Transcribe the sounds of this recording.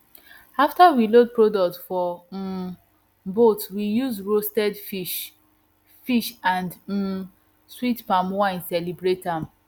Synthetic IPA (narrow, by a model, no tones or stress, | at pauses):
aftawilod̚pɹodɔk̚tfɔ | botwijuzɹostɛdfiʃ | fiʃãnd̩ | switpãmwãnsɛlibɹetam